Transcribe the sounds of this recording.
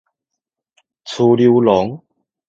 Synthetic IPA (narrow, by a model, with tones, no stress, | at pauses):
t͡sʰu˧li˧wlɔ˨˦ŋ